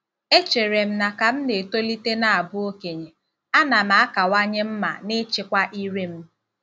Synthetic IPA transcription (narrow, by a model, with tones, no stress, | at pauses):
e˦t͡ʃe˨ɾe˨m̩˦na˨ka˨m̩˦ne˨to˦li˦te˦na˨a˨bʊ˦o˦ke˨ɲe˨ | a˦na˨ma˨˦a˦ka˨wa˦ɲe˦m̩˦ma̰˨nɪ˦t͡ʃɪ˦kʷa˦ʔi˦ɾe˦m̩˦